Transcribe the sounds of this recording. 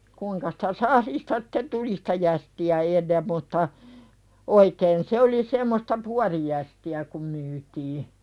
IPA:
kuiŋkɑ si̥tæ sɑhlistɑ si̥te tuli si̥tæ jæstiæ enːem mutːɑ oikeːn se oli semːostɑ puɑrijæstiæ kum myːtiː

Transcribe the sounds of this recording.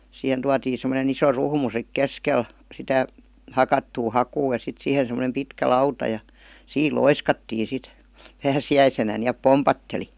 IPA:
sihen tuɑtiːn̞ semˑonen iso ruhmu sik keskel sitæ hɑkɑtːuː hɑkuː jɑ sit sihen̞ semˑə̆nem pitkæ lɑutɑ jɑ siːl loiskɑtːiː sit pæːsiæisenæ niæp pompɑtːeli

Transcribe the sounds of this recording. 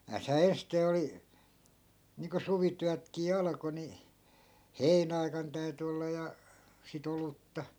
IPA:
næːshæː ensteː oli niːŋko suʋityætkiː ɑlɑ̆ko ni heinæɑi̯kɑn tæy̞ty olːɑ jɑ sit olutːɑ

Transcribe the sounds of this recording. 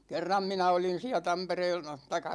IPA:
kerːɑm minæ olin̞ siæ tɑmpereːl tɑikˑɑ

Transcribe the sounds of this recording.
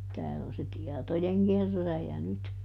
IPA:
tæːl on se tiɛtojeŋkerːæːjæ nyt

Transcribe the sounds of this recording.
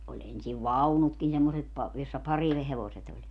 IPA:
olʲ ensiʋ ʋɑunutkin semːoset pɑ josːɑ pɑriheʋoset olʲ

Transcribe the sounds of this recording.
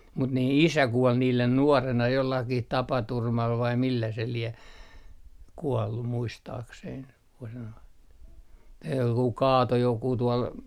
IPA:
mut niː isæ kuol niːlen nuorenɑ jolːɑkih tɑpɑturmɑl ʋɑi milːæ se lie kuɔlːu muistɑːkseiŋ ko se noin kɑːto jokuː tuol

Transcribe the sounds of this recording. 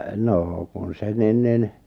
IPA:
noː kun se nin nin

